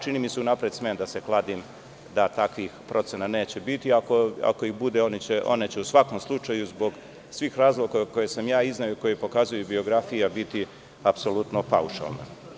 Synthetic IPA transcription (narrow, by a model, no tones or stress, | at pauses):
t͡ʃiniːmiseunapɾed̪smend̪ase̞klˠad̪im | d̪at̪akʋixpɾʔo̞t̪senane̞ːt͡ɕe̞bit̪iako̞a̰ko̞ixbud̪eo̞nit͡ɕeʔo̞̰net͡ɕeusʋako̞mslˠut͡ʃajuzbo̞ɡ | sʋiːxɾaːzlˠo̞ɡako̞jesamjaːiznajoiko̞jepo̞kazujubio̞ɡɾafijabit̪i | apso̞lut̪nopa̰uʃa̰lˠnḛ